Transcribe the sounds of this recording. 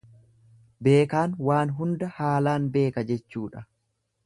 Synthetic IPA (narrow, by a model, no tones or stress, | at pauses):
be̞ːkaːnwaːnɦʊnd̪ɐhaːlaːnbe̞ːkɐd͡ʒɛt͡ʃːuːᶑɐ